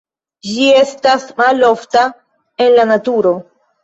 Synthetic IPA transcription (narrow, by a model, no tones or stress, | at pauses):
d͡ʒie̞stasmalo̞fta | e̞nlanatuɾo̞